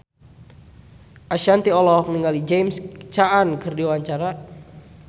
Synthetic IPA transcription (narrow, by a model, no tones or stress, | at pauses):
ʔaʃant̪iɔlɔhniŋalid͡ʒejmst͡ʃaʔankɨrdiwaɲt͡ʃaɾa